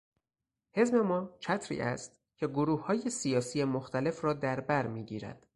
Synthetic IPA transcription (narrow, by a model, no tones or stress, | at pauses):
he̞zme̞mɒːt͡ʃʰæt̪ʰɾḭːʔæ̰st̪ | cʰe̞ɡoɾuːhhɒːje̞sijɒːsijemoxt̪ʰæle̞frɒːd̪æɾbæɾmiːɟiːɾæ̰d̪̥